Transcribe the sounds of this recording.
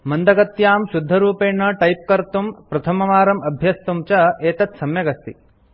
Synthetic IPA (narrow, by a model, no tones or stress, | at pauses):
mɐnd̪ɐɡɐt̪jaːmʃud̪ʱːɐɾuːpeːɳːɐʈɐjp̚kɐɾt̪umpɾɐt̪ʰɐmɐmaːɾɐmɐbʱjɐst̪umt͡ʃɐeːt̪ɐt̪sɐmjɐɡɐst̪ḭ